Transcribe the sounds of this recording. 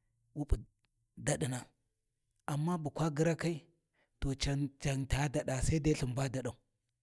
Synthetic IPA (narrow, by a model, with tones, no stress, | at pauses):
wu˦pu˨ | da˨ɗi˨na˨ | a˨mːa˦bu˨kʷa˦ɡi˦ɾa˦ka˦i˦ | to˨t͡ʃa˨nt͡ʃa˨ŋta˨˦da˨ɗa˨sa˦i˦da˦ɬi˨mba˦da˨ɗa˨u˨